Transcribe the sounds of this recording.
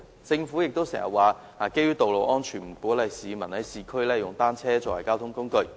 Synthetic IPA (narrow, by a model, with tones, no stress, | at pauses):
t͡sɪ˧ŋfuː˨˥jɪ˨k̚t̪o˥wsɛ̰ː˨˩ŋjɐ̰˨t̚waː˨ | aː˨˩ke˥jyː˥t̪o˨wlo˨wʔɔː˥nt͡ʃʰyː˨˩nm̩˨˩kuː˨˥lɐ˨˧jsiː˨˧mɐ˨˩nhɐ˨˥jsiː˨˧kʰɵ˥ɥlɛː˥jʊ˨ŋt̪aː˥nt͡sʰɛː˥t͡sɔː˧wɐ˨˩jkaː˥wt̪ʰʊ˥ŋkʊ˥ŋkɵ˧ɥ